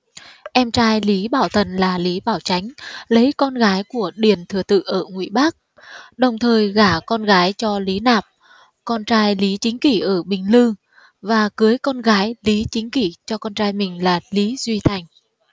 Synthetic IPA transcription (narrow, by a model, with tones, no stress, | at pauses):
ʔɛ˧mt͡ɕaː˧jli˨˦ɓaː˧˩wt̪ʰə˨˩nlaː˨˩li˨˦ɓaː˧˩wt͡ɕa˨˦jŋ̟lə˨˦jkɔ˧nɣaː˨˦jku˧˩əɗi˨˩ənt̪ʰɨ˨˩ət̪ɨ̰˧˨ʔəː˧˩ŋwḭ˧˩˨ɓa˦˥k̚ | ɗə˨˩wŋ͡mt̪ʰəː˨˩jɣaː˧˩kɔ˧nɣaː˨˦jt͡ɕɔ˧li˨˦naː˨˩p̚ | kɔ˧nt͡ɕaː˧jli˨˦t͡ɕï˨˦ŋ̟ki˧˩ʔəː˧˩ɓï˨˩ŋ̟lɨ˧ | vaː˨˩kɨ˨˦jkɔ˧nɣaː˨˦jli˨˦t͡ɕï˨˦ŋ̟ki˧˩t͡ɕɔ˧kɔ˧nt͡ɕaː˧jmï˨˩ŋ̟laː˨˩li˨˦zwi˧t̪ʰa˨˩jŋ̟